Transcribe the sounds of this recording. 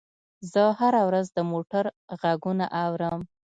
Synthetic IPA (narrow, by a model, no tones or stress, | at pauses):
zəhaɾawɾazd̪əmoʈaɾɣaɡuna̰ʔawɾəm